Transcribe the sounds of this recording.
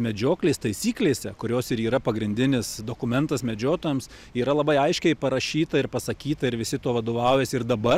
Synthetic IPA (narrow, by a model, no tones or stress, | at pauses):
mʲɛd͡ʒʲoːklʲeːst̪ɐɪsʲiːklʲeːsʲɛkʊɾʲoːsɪɾiːɾɐpɐɡɾʲɪnʲd̪ʲɪnʲɪsd̪oːkʊmʲɛnt̪ɐsmʲɛd͡ʒʲoːt̪oːjɛms | iːɾɐlˠɐbɐɪɐɪʃʲkʲɛɪpɐɾɐʃʲiːt̪ɐɪɾpɐsɐkʲiːt̪ɐɪɾʋʲɪsʲɪt̪oːʋɐd̪oːʋɐʊjɛːsɪɾd̪ɐbɐ